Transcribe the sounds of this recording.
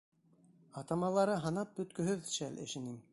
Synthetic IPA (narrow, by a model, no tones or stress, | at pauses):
ɑt̪ɑmɑlˠɑɾɤɦɑnɑp̚bɵ̆t̪kɵ̆ɦɵðʃælʔɘ̰̆ʃɘ̆nɘm